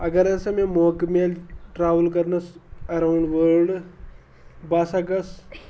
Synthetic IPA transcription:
ɐɡɐɾɐsɐmẽmoːkmelʈɾaːʋəlkɐɾnɐsɐɾawɳɖʋəɾɖ | baːsaɡɐs

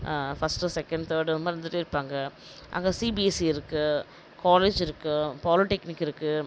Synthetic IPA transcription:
fɐsʈɯsɛkːɐɳɖt̪oːɽɯmɐɾɯnd̪ɯʈːɯɪɾɯpːaːŋɡɐ | ʔa̰ŋɡɐsibiɛsiɪɾɯkːɯ | kaːleːd͡ʒɪɾɯkːɯpaːlɪʈɛknɪkːɪɾɯkːɯ

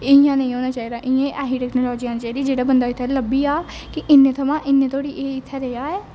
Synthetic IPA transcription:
ɪɪjãːnə̃ĩːɦoːnaːt͡ʃaːiːd̪aːʔɪẽːʔaːɦiːʈɛːknoːlɔːd͡ʒiːãːnːt͡ʃaːiːd̪iːd͡ʒeːɽaːbənd̪aːɪt̪ʰːɛːləbiːaː | kɪʔɪnːeːt̪ʰəmãːʔɪnːẽːt̪ʰoːɽiːʔeːɪt̪ʰːɛːɾeːaːɛː

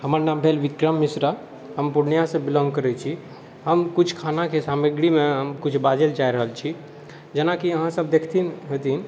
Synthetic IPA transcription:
ɦəməɾnaːmbʱelʋikɾəmːisɾa | ɦəmpuɽnijasẽbilɔ̃ŋɡkəɾɛt͡ʃʰi | ɦəmkut͡ʃʰkʰanakesaməɡɽimẽɦəmkut͡ʃʰbad͡ʒelt͡ʃaiɾəɦəlt͡ʃʰi | d͡ʒənakiəɦãsəb̚d̪ekʰt̪ʰinɦot̪in

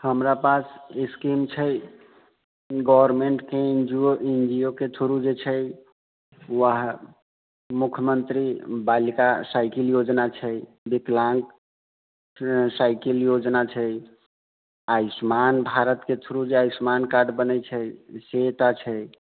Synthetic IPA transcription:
həmɾapaseskimt͡ʃʰə | ɡɔʋəɾmeɳʈkeind͡ʒioʔind͡ʒijoket̪ʰuɾud͡ʒet͡ʃʰəj | waɦ | mukʰjəmənt̪ɾibalikasaɪkiljod͡ʒnat͡ʃʰəj | biklãŋk | sajkiljod͡ʒnat͡ʃʰəj | ajsmanbʱaɾət̪ket̪ʰuɾud͡ʒeaismankaɾɖbənəjt͡ʃʰəjset̪at͡ʃʰəj

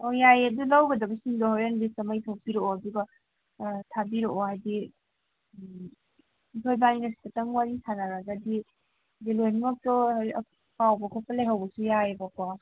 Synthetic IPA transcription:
ɔjajɐdulawɡɐdɐbɐsiŋdɔɦawanbisɐmajtʰawpiɾoɔɐduɡa | tʰabiɾoʔɔhajdi | itʰojbaninasi̥tataŋwaɾisʰanaɾaɡadi | dilojnmak̚tɔj | pawbɐkʰɔpɐlajɦawbɐsujaebakwa

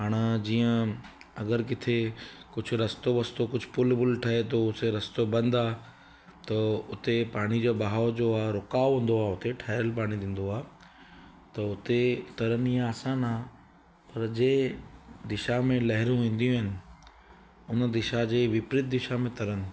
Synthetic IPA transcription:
ɦaːɽ̃əd͡ʑiːə̃ | ɐɡəɾk̬ɪt̪ʰekʊd͡ʑʱʊ̆ɾɐst̪oʋɐst̪okʊd͡ʑʱʊpʊlbʊlʈʰɐɦet̪̬ʰoʊt̪eɾɐst̪obɐ̃nd̪aː | t̪ɐʊt̪epaːɽ̃id͡ʑoːbaɦaːod͡ʑoːaːɾʊkaːoɦũːn̆d̪oaːʊt̪eʈʰaːɪɾəlpaːɽ̃id̪ĩːn̆d̪oaː | t̪ɐʊt̪et̪ɐɾəniːãːsãnaː | pɐɾd͡ʑeːd̪ɪʃamẽlɐɦɪɾũʋĩːn̆d̪ijũɦɪnɪ̆ | ʊnə̆d̪ɪʃad͡ʑeːʋɪpɾɪt̪̚d̪ɪʃamẽt̪ɐɾənɪ̆

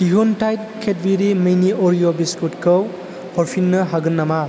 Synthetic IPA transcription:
diɦontʰajt̚kʰet̚biɾimejniʔoɾijobiskutkɯw | hɔɾpʰinːɯɦaɡɯnːama

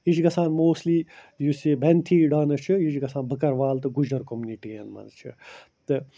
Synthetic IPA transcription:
it͡ʃɡɐsãːnmoːsliː | jusiːbʱɛnt̪ʰiːɖaːnɨt͡ʃʰɨit͡ʃɡɐsãːnbʱəkɐɾʋaːlt̪ɨɡud͡ʒd̪ɐɾkomjuniʈijɐ̰nmɐ̰nzt͡ʃʰɨ̰ | t̪ɨ

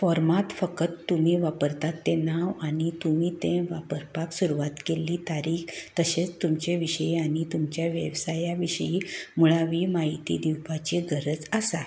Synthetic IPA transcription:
fɔɾmat̪fəkət̪ːum̤iːʋapəɾt̪at̪ːenaʋañit̪umiːt̪ẽʋapəɾpaksuɾuʋat̪keliːt̪aɾiːxt̪əɕet͡st̪umt͡ɕeʋiɕəiaɽ̃it̪umt͡ɕjaʋjə̰ʋsajaʋiʂəjimuɭaʋiːmaɦit̪ḭd̪iwpat͡ɕiɡʱəɾəd͡zəsa

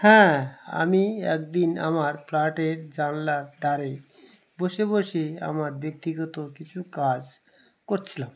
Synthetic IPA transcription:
hɛ̃a̰miɛ̰k̚d̪ina̰maɾflaʈeɾd͡ʑanlaɾd̪ʱaɾe | boʃeboʃea̰maɾbek̚t̪iɡɔt̪okit͡ɕʰukad͡ʑ | koɾt͡ɕʰilam

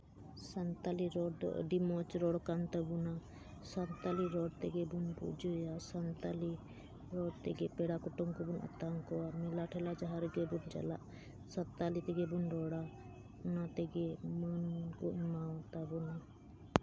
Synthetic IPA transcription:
sant̪aliɾɔɽd̪ɔ̰ʔə̰ɖimɔt͡ʃɾɔɽɔkant̪abuna | sant̪aliɾɔɽt̪ɛɡɛbunpṵd͡ʒujasant̪ali | ɾɔɽt̪ɛɡɛpɛɽakɔʈɔŋkɔbuna̰t̪aŋkɔwamilaʈʰɛlad͡ʒaɦaɾɡɛbund͡ʒa̰la̰ʔ | sat̪ːalit̪ɛɡɛbunɾɔɽa | nat̪ɛɡɛmənkɔʔnmawt̪abuna

